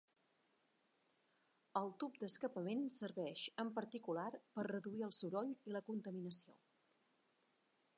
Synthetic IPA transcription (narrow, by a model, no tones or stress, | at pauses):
əlˠt̪up̚d̪əskəpəmensəɾβɛʃəmpəɾt̪ikularpərrːəðuiəlˠsuɾɔʎiləkunt̪əminəsio̰